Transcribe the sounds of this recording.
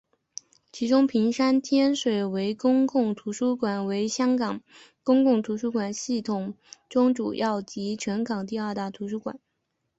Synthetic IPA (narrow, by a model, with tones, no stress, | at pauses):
t͡ɕʰi˧˥ʈ͡ʂʊ˥ŋpʰi˧˥ŋʂa˥nt̪ʰjɛ˥nʂwe˨˩ɪwe˧˥ɪkʊ˥ŋkʊ˥˩ŋt̪ʰu˧˥ʂu˥kwa˨˩nwe˧˥ɪɕjɑ˥ŋkɑ˨˩ŋ | kʊ˥ŋkʊ˥˩ŋt̪ʰu˧˥ʂu˥kwa˨˩nɕi˥˩t̪ʰʊ˨˩ŋ | ʈ͡ʂʊ˥ŋʈ͡ʂu˨˩jɑ˥˩ʊt͡ɕi˧˥ʈ͡ʂʰɤ˧˥ŋkɑ˨˩ŋt̪i˥˧ɐ˞˥˧t̪a˥˩t̪ʰu˧˥ʂu˥kwa̰˨˩˦n